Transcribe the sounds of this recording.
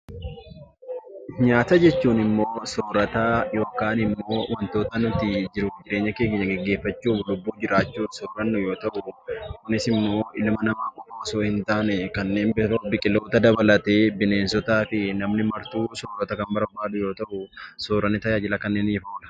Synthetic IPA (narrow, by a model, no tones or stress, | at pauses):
ɲaːt̪ɐd͡ʒɛt͡ʃːuːnɪmːoːsoːɾɐt̪aːjo̞ːkaːnɪmːo̞ːwɐnt̪o̞ːt̪ɐnʊt̪ɪd͡ʒɪɾʊd͡ʒɪɾe̞ːɲːɐke̞ːɡɲːɐɡɛɡːe̞ːfːɐt͡ʃːuːflʊbːuːd͡ʒɪɾaːt͡ʃːuːnsoːɾɐnːʊjo̞ːt̪ɐʔʊkʊnɪsɪmːo̞ːʔɪlmɐnɐmaːkʼʊfoːsoːhɪnt̪aːnɛkɐnːe̞ːnbɪɾobɪkʼɪlːo̞ːt̪ɐd̪ɐbɐlɐt̪e̞ːbɪneːnsɔt̪aːfɪnɐmnɪmɐɾt̪uːsoːɾɐt̪ɐkɐmbɐɾbaːd̪ʊjo̞ːt̪ɐʔʊsoːɾɐnːɪt̪ɐjaːd͡ʒɪlɐkɐnːeːnːfoːlɐ̥